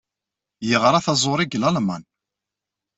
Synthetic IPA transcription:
jəʁɾˤɑθɑzˤoɾˤiɡlɑlma̰n

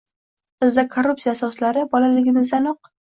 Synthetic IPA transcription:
b̥ɪzd̪akʰorːupsijasɒslaɾɪbɒlalɪɡʲɪmɪzd̪anoq̚

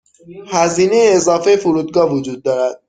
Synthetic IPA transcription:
hæziːne̞jeːzɒːfejefuɾuːd̪ɡɒːvod͡ʒuːd̪̚ːɒːɾæd̪̥̚

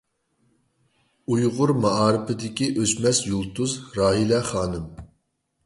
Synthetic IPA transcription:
ujʁʊɾmɑɑːɾɨpɨd̪ɪkʲiʔøsmɛsjulˠt̪uzɾɑːɦilɛχɑːnɨm

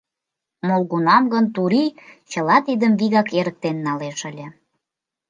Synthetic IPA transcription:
molɣunɑmɡə̆nt̪uɾit͡ɕəlɑt̪id̪əmβiɣɑkeɾək̚t̪enːɑleʃəlʲĕ

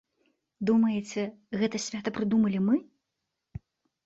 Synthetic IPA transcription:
d̪umɐjɛt͡sʲɛ | ɣɛt̪ɐsʲvʲat̪ɐpɾɨd̪umɐlʲimɨ

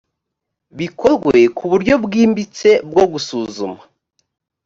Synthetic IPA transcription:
βikʰo̞zɡwe̞kuβuɾɟo̞bɡiːmbit͡se̞bɡo̞ɡusuːzuma

